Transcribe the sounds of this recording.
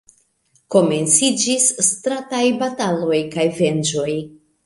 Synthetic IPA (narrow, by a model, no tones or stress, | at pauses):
ko̞me̞nt͡sid͡ʒisːtɾatajbatalo̞jkajve̞nd͡ʒo̞j